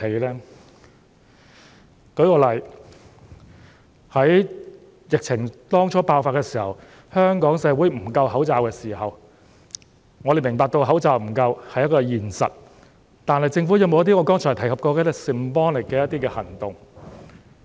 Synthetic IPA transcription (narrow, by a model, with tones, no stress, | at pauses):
e˨˥lɛː˥ | kɵ˨˧˥ɥkɔː˧lɐ˨˩j | hɐ˨˥j | jɪ˨k̚t͡sʰɪ˨˩ŋt̪ɔː˥ŋt͡ʃʰɔː˨˥paː˧wfaː˧t̚kɛː˧siː˨˩hɐ˨w | hœː˥ŋkɔː˨˥ŋsɛː˨˧˥wuː˨˥jm̩˨˩kɐ˧whɐ˨˥wt͡saː˧wkɛː˧siː˨˩hɐ˨w | ŋɔː˨˧ɾe˨˩jmɪ˨˩ŋpaː˨˧k̚t̪o˧wɦɐ˨˥wt͡saː˧wm̩˨˩kɐ˧whɐ˨jɐ˥t̚kɔː˧jiː˨˩nsɐ̰˨t̚ | t̪aː˨nhɐ˨jt͡sɪ˧ŋfu˨˥jɐ˨˧wmo˧wjɐ˥t̪̬i˥ŋɔ˨˧kɔː˥ŋt͡ʃʰɔː˨˩t̪ʰɐ˨˩jkʰɐ˨p̚kɔː˧kɛ˧˥˧si˨˩m̩˨˩pɔː˥ŋlɪ˨˩kkːɛː˧jɐ˥t̪̚iː˥kɛː˧hɐ˨˩ŋt̪ʊ˨˩ŋ